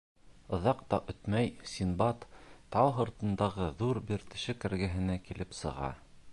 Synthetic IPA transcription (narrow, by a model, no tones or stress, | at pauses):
ɤ̆ðɑq̚t̪ɑʔɵt̪mæjsʲinbɑt̪t̪ɑwɦŏɾt̪ɤ̆nd̪ɑʁɤðuɾbiɾt̪ɘ̆ʃɘkæɾɡæɦɘ̆nækilʔɘpsɤ̆ʁɑ̰